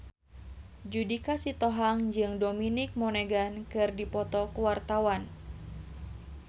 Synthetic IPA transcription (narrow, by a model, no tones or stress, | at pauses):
d͡ʒudikasit̪ɔɦaŋd͡ʒɨŋdominik̚mɔneɡankɨrdipɔt̪ɔkuwart̪awan